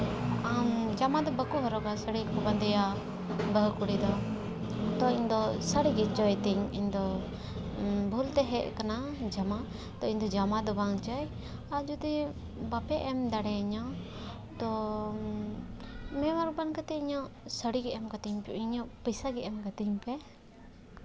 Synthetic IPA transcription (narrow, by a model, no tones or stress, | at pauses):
amd͡ʒamad̪ɔbəkubaɾɔɡasəɽikɔband̪ɛja | bəɦkuɽid̪ɔ | t̪ɔind̪ɔsəɽiɡɛt͡ʃɔjt̪ɛɲḭnd̪ɔ | bʱult̪ɛɦɛʔkanad͡ʒama | t̪ɔind̪ɔd͡ʒamad̪ɔbaŋt͡ʃaj | ad͡ʒud̪i | bapɛʔɛmd̪aɽɛiɲɔ | t̪ɔ | mɛ̃maɾ̚bankat̪ɛiɲɔʔsəɽiɡɛʔɛmkat̪iɲpɛiɲɔ̃ʔpəjsaɡɛʔɛmkat̪iɲpɛ